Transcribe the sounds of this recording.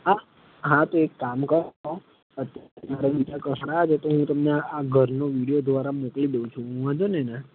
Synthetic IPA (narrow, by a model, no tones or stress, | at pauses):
a | ɦãt̪oekːamkəɾo | ət̪jaɾmaɾaɓid͡ʒakəsɽ̃aːd͡ʒʰet̪oɦũt̪əmneaɡʱəɾnoʋiɽijod̪ʋaɾamoklid̪eũt͡ʃʰũɦũãd͡ʒonena